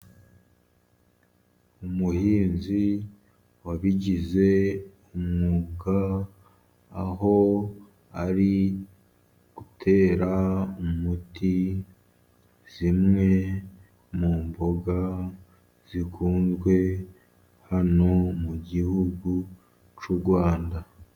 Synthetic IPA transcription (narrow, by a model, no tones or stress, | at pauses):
umuhiːnzi | waβiɟize̞umŋuɡa | ɦo̞ | aɾi | ɡ̥utʰe̞ːɾaumuti | z̥imŋe̞ | muːmbo̞ɡa | z̥ikʰuːnzɡwe̞ | hano̞muɟihuɡu | t͡ʃuɾɡwaːnda